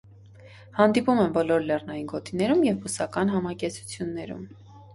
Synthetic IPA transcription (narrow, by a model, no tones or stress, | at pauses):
hɑnd̪ipumɛmbɔlɔɾlɛrnɑjinɡɔt̪inɛɾumjɛvːusɑkɑnɦɑmɑkɛt͡sʰu̥t͡sʰjunːɛɾṵm